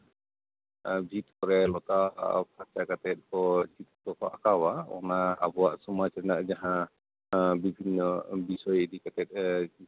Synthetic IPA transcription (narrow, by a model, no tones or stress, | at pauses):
bʱit̪kɔɾɛlɔt̪a̰pʰat͡ʃakat̪ɛt̪̚kɔt͡ʃit̪kɔkɔʔakawaɔ̰na̰ːbɔaʔsumat͡ʃɛɾnaʔd͡ʒaɦã | bibʱinɔbisɔjd̪ikat̪ɛt̪̚